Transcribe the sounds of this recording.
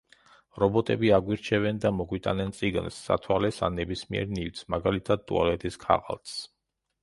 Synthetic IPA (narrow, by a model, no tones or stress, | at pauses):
ɾɔbɔt̪ʼɛbiaɡwiɾt͡ʃʰɛvɛnd̪amɔɡwit̪ʼa̰nɛnt̪sʼiɡnsːa̰t̪ʰwalɛsa̰nːɛbismiɛ̰ɾnivt̪smaɡalit̪ʰad̪̚t̪ʼṵalɛt̪ʰʼiskʰa̰qʼa̰lˠt̪s